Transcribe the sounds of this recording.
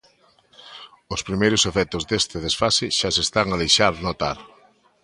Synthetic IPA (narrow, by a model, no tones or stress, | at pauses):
ʊspɾimejɾʊsefɛt̪ʊzðest̪eð̞esfasɪʃasest̪aŋaðejʃaɾnot̪aɾ